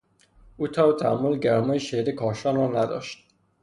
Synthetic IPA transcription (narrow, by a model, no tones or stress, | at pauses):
ʔuːt̪ʰɒbt̪ʰæmːolɟæɾmɒːjeʃeɾekʰɒːʃɒːnrɒːnæd̪ɒ̰ːʃt̪̚